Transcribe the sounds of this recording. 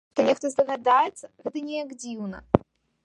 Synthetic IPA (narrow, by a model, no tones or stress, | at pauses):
t̪ɔnʲɛxt̪ɔzd̪ɐɣad̪ajɛt̪sːɐɣɛd̪ɨnʲɛjaɡd͡zʲiwnɐ̰